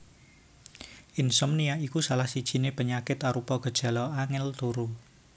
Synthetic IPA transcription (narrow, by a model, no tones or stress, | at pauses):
ʔɪnsɔmnijaikusalahsid̥ʒ̥i̤nepəɲakɪt̪aɾupɔɡ̥ə̤d̥ʒ̥a̤lɔaŋɪlt̪uɾu